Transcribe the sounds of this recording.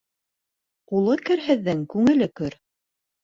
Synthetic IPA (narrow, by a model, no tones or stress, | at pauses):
qulˠɤkɘ̆ɾɦɘ̆ðːɘŋkʉŋɘ̆lɘkɵɾ